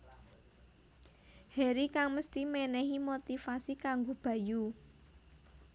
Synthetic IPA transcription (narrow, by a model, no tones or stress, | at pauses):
hɛɾikaŋməst̪imɛnɛɦimot̪ifasikaŋɡob̥ä̤ju